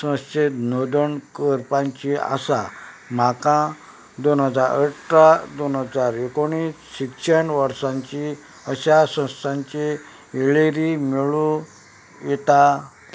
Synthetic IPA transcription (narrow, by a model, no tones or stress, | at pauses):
sə̃w̃st͡ɕet̪nod̪əɳkəɾpãɲt͡ɕia̰sa | m̤akã | d̪onɦəd͡zaɾəʈɾad̪onɦəd͡zaɾekoɽ̃iːsɕikɕeɳʋəɾsãɲt͡ɕi | əɕasə̃wst̪ʰãɲt͡ɕe | eɭeɾimiɭũ | jɛt̪a